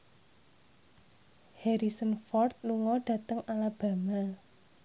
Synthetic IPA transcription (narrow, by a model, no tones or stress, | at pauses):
hɛɾisənfɔrt̪̚luŋɔɖ̥ä̤t̪əŋalab̥a̤ma